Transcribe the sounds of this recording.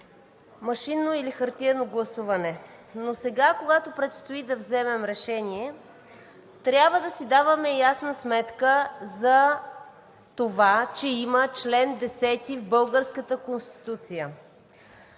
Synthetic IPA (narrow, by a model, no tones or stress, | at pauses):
mɐʃinːoilixəɾt̪iɛnoɡlˠɐsuvɐnɛ | nosɛɡakoɡat̪opɾɛt̪st̪oid̪ɐvzɛmɛmɾɛʃɛniɛ | t̪ɾʲabvəd̪ɐsid̪avəmɛjasnəsmɛt̪kəzɐ | t̪ovat͡ʃɛimət͡ʃlɛnd̪ɛsɛt̪ivbɤlˠɡəɾskət̪əkonst̪i̥t̪ut̪sijə